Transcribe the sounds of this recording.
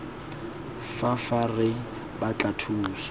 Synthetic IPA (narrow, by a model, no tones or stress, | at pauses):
fafarɪ | bat͡ɬatʰuːsɔ̥